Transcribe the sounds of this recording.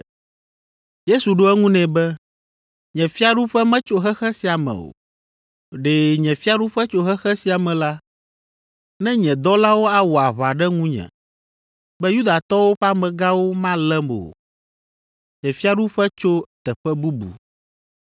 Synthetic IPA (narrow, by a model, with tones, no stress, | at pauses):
je˦su˨ɖo˦ɛ˦ŋũ˦nɛ̃˨bɛ˦ | ɲɛ̃˨fi˦a˦ɖu˦ɸɛ˦mɛ̃˦t͡ʃo˦ɦɛ˦xɛ˦si˨a˨mɛ̰̃˨o̰˨ | ɖe˨ɲɛ̃˨fi˦a˦ɖu˦ɸɛ˦t͡ʃo˦ɦɛ˦xɛ˦si˨a˨mɛ̃˨la˦ | nɛ̃˦ɲɛ̃˨d̪ɔ˦la˦wo˦a˨wo˨a˨βa˨ɖɛ˦ŋũ˦ɲɛ̰̃˨ | bɛ˦ju˦d̪a˨t̪ɔ˦wo˦ɸa˦mɛ̃˨ɡa˦wo˦mã˦lɛ˦mo̰˨ | ɲɛ̃˨fi˦a˦ɖu˦ɸɛ˦t͡ʃo˦˨t̪ɛ˨ɸɛ˦bu˦bṵ˨